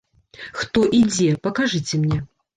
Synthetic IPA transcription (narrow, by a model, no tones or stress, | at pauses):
xt̪ɔʔid͡zʲɛpɐkaʐɨt͡sʲɛmnʲɛ